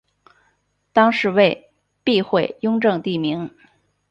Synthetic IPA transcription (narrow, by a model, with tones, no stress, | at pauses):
t̪ɑ˥ŋʂɻ̩˧˥we˥˧ɪ | pi˥˧xwe˥˩ɪjʊ˥ŋʈ͡ʂɤ˥˧ŋt̪i˥˩mi˧˥ŋ